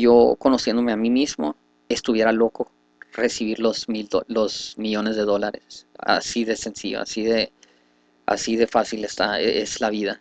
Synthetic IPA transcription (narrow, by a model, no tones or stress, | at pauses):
ʝo̞ko̞no̞sje̞nd̪o̞me̞amimizmo | e̞st̪uβje̞ɾalo̞ko̞ | re̞siβ̞iɾlozmildolo̞zmiʝo̞ne̞zðe̞ðo̞laɾesa̰siðe̞se̞nsiʝo̰a̰siðe̞ | a̰siðe̞fasilest̪aeeslaβiða